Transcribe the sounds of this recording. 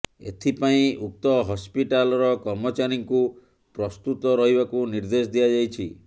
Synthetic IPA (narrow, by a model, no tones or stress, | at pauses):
ḛt̪ʰipaĩuk̚t̪ɔɦɔspiʈalɔɾɔkɔɾmɔt͡ʃaɾiŋku | pɾɔst̪ut̪ɔɾɔɦibakuniɾd̪esd̪iad͡ʒajt͡ʃʰi